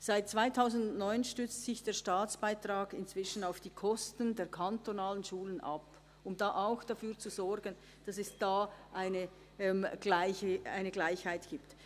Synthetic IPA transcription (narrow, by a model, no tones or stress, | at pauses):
saɪt̚t͡sv̥aɪtʰaʊzn̩dʊnnɔʏnʃtʏt͡stsɪçd̥eːɐʃtaːt͡sb̥aɪtraːɡɪnt͡sv̥ɪʃn̩aʊfd̥iːkʰɔstəndeːɐkʰantonaːlənʃuːlənʔa̰p | ʊmdaːʔaʊxd̥afyːɐt͡suzɔɾɡən | d̥ɑsɛsd̥aːʔaɪnə | ʔɛmɡ̥laɪçəa̰ɪnəɡlaɪçhaɪtɡ̥iːpt